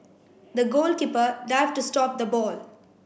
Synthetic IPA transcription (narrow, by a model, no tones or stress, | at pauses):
d̪əɡoːlkiːpəɾɖafʈusʈɔːp̚d̪əbɔːl